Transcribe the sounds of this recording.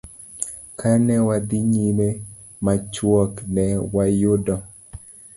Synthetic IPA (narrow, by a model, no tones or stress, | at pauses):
kanɛwad̪iɲime | mat͡ʃwɔknɛwajʊdɔ